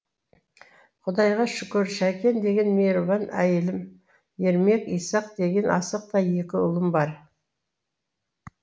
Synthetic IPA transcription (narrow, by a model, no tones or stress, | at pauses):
qʰʊd̪ɑjʁɑʃʏkʲɪɾʃækʲe̞nd̪e̞ɡʲe̞nmeɾuvɑnæ̰jɪlɪm | je̞ɾme̞kijsɑqd̪e̞ɡʲe̞nɑsəq̚t̪ɑje̞kʲɪʊ̰lˠəmbɑɾ